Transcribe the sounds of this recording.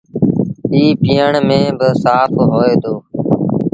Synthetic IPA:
iːpiːəɳmẽːbəsaːpʰɦoːeːd̪oː

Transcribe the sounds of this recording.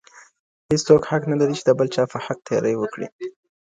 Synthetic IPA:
hest͡sokhaknalaɾit͡ʃed̪əbəlt͡ʃɑpəhak̚t̪ʰjɑ̰ɾʔəjwəkɽḭ

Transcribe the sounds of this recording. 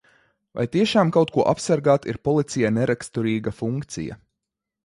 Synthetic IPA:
va̰jt̪iɛʃaːmkawt̪̚kuɔʔapsaɾɡaːt̪ḭɾpɔlˠit̪sijanɛɾʔakst̪uɾiːɡafuŋkt̪sḭja̰

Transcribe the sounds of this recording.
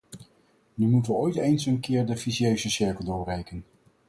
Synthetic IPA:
nymutəʋəojtejnsənkɪːɹdəfiziøɥzəsɪɹkəlˠdʊːrejkən

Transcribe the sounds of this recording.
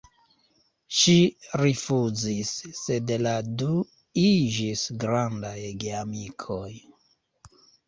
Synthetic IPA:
ʃiɾifuzisːe̞dladu | id͡ʒisɡɾandajɡeamikʰo̞j

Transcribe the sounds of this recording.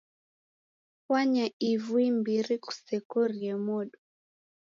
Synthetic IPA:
waɲaivuimbiɾiku̥sɛkɔɾiɛmɔɗɔ

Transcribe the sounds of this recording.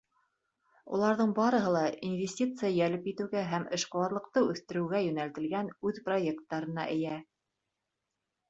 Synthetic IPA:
ṵlˠɑɾðɤɴbɑɾɤ̆ɦɤlˠɑinvʲesʲtʲit̪sɨjajælɘpjit̪ɘ̆wɡæɦæmɘ̆ʃqŏwɑɾlˠɤ̆qt̪ɤʉθt̪ɘ̆ɾɘ̆wɡæjɵ̆nælt̪ɘ̆lɡænʉðprojekt̪ːɑɾɤ̆nɑ̰ʔɘ̆jæ

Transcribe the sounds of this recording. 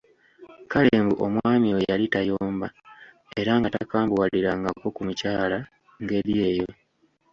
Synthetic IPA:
kaleːmbuʔo̞mwaːmiwejalitajo̞ːmba | e̞ɾaŋɡatakaːmbuwaliɾaŋɡako̞kumucaːla | ŋɡe̞ɾije̞ːjo̞

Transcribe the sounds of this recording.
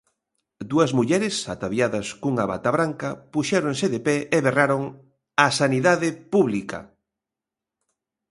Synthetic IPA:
d̪uɐzmuʎɛɾɪsat̪aβjaðɐskuŋaβa̰t̪aβɾaŋkɐpuʃɛɾõŋsɪðepɛeβeraɾoŋ | asaniðaðɪpuβlikɐ̰

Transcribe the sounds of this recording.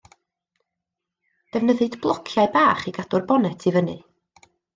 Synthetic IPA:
d̥ɛvnəðɨdblˠɔkʰjaɨbaːχiɡ̥adʊrbɔnɛtʰivənɨ̰

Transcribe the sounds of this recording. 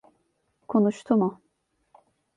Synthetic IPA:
kʰonuʃt̪ʰumʊ

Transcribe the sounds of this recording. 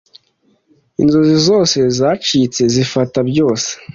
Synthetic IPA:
inzozizo̞ːse̞zat͡ʃit͡se̞zifatabɟo̞ːse̥

